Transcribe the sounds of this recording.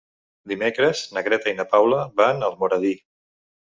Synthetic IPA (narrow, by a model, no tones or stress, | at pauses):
d̪imekɾəz̥nəɣɾɛt̪ainəpawləβanəlˠmuɾəði